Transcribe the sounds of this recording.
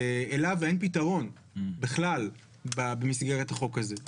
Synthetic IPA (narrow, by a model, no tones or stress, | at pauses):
eelavenpitaʁo̞n | biχlal | babemisɡeʁet̪aχo̞kaze